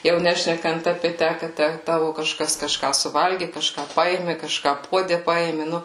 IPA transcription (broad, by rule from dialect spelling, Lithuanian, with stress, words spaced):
jɛʊ ˈnʲæːʃʲnʲɛkɐnt ɐpʲeː ˈtʲæ kɐ ˈtʲæ ˈtɑːʋʊ kɐˈʃkɐs kɐˈʃkɑː sʊˈʋɐlʲɡʲɪ kɐˈʃkɑː ˈpɐeːmʲɪ kɐˈʃkɑː ˈpuɔdʲɛ ˈpɐeːmʲɪ ˈnʊ